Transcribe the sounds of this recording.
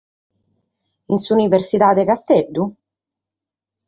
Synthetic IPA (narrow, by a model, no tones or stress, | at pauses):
insuːniversit̪aːd̪ekast̪ed̪ːu